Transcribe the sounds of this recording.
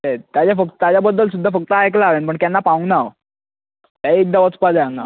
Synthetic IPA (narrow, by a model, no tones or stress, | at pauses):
et̪jat͡ɕjafək̪̚t̪jat͡ɕabəd̪ʱːəls̬ud̪ʱːafək̚t̪aajk̬laʋenpəɳkjanːapaũŋɡnaʋ | t̪jaiek̚d̪aət͡spad͡zajãŋɡa